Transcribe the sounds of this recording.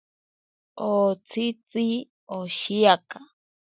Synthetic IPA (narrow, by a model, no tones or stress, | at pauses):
ot͡sʰit͡sʼi | oʃiaka